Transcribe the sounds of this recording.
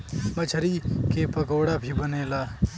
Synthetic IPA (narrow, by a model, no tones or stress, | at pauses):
mət͡ʃʰəɾikepəɡoːɽabʱʰibəneːlaː